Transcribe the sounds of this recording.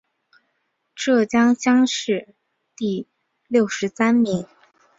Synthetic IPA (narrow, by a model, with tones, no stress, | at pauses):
ʈ͡ʂɤ˥˩t͡ɕjɑ˥ŋɕjɑ˥ŋʂɻ̩˥˧ | t̪i˥˧ | ljo˥˩ʊʂɻ̩˧˥sa˥nmi˧˥ŋ